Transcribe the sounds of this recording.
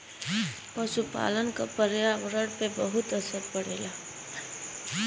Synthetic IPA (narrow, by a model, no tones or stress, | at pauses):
pʌsupa̰lʌnkopʌɾjabɾʌɽpebʌɦut̪ʌsʌɾpʌɽela